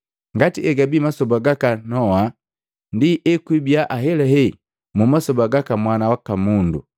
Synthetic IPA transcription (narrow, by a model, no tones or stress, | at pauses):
ŋɡatiɛɡabimasɔbaɡakanɔa | ndiʔɛkwibjaʔaɦɛlɛhɛ | mumasɔbaɡakamwanawakamundu